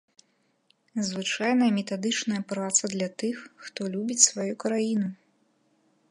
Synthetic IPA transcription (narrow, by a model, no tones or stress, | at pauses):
zvɨt͡ʂajnɐmʲɛt̪ad̪ɨt͡ʂnɐjɐpɾat̪sɐd̪lʲɐt̪ɨxːt̪ɔlʲubʲit͡sʲsvajukɾajinu